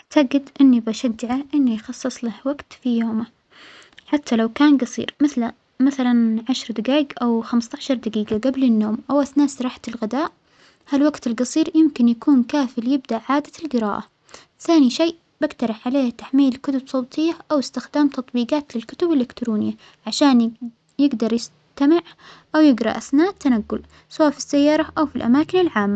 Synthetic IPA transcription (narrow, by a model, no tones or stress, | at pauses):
ʔaʕt̪aɡɪd̪ʔɪnːibaʃad͡ʒːaʕaʔɪnːijxɑsˤːɨsˤlahwaɡt̪fijoːma | ħat̪ʰːalawkaːnɡɑsˤḭːɾmɪ | maθalanʕaʃɾˤd̪aɡiːɡʔawxamst̪aʕʃɑɾˤd̪aɡiːɡaɡablɪnːoːmʔawaθnaːsɾˤɑːħḁt̪ɪlɣɪd̪aːʔ | halwaɡt̪ɪlɡɑsˤiːɾjɪmkɪnjakuːnkaːfɪljɪb̚d̪aʔʕaːd̪alɡɪɾa̰ːʔa | θaːniʃeːʔ | b̥aɡt̪ɑɾˤɑħʕaleːhat̪aħmiːlkʊt̪ʊbsˤoːt̪ʰˤɪjːaʔawɪst̪ɪxd̪aːmt̪ɑt̪ˤbiːɡaːt̪lɪlkʊ̥t̪ʊbɪlʔɪkt̪ɾuːnɪjːa | ʕaʃaːn | jɪɡd̪ɑɾˤjɪs | t̪amɪʕʔawjɪɡɾˤɑ̰ʔaθnaːʔt̪ːanaɡːʊl | sawaːfi̥sːajːɑːɾˤɑʔawfilʔa̰maːkɪnɪlʕaːmːa